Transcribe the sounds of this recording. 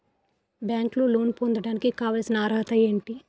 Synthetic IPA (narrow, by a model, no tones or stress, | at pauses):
bjaːŋkluloːnpond̪ɐɽaːnikikaːʋaːlsinɐaːɾɐɦɐt̪ɐeːɳʈi